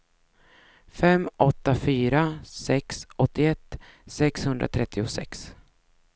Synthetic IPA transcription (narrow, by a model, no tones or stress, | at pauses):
fɛmʔɔt̪ːafyːɾasɛksɔt̪ːɪɛt̪ːsɛkshɵnd̪ɾa̰t̪ʰɾɛt̪ʰːɪʊsɛ̰ks